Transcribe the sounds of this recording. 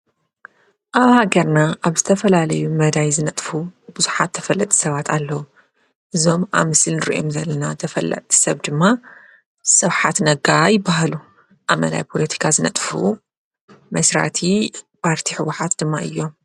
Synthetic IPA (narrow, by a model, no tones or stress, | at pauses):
ʔaβhaɡɐɾnaʔaβzɨt̪ʰɐfɐlalɐjumɐd̪ajzɨnɐt̪ʼfubɨzuħat̪ʰːɐ̥fɐlːɐt̪ʼi̥sɐβat̪ʰalːɐwu | ʔɨzo̞ma̰βmɨsɨlnɨɾḭʔomzɐlːɐnat̪ʰɐfɐlːɐ̰tt̪ʰi̥sɐβd̪ɨmːa | sɐβħat̪nɐɡajɪbːahalu | ʔamɐ̰d̪a̰jpʰo̞lɐt̪ʰi̥kʰazɨnɐt̪ʼfṵ | mɐsɾa̰t̪ʰipʰaɾt̪ʰiħɨwːʊħat̪d̪ɨmːaʔɨ̰jːo̞m